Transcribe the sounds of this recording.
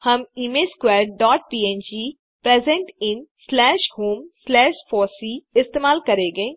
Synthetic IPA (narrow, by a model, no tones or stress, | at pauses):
həmiːmeːlskwɛːɾɖɖɔːʈ̚piːẽːnd͡ʒiː | pɾeːzɛ̃ɳʈɪnslɛːʃhuːmslɛːʃfɔːsiːɪst̪eːmaːlkəɾeːɡəẽː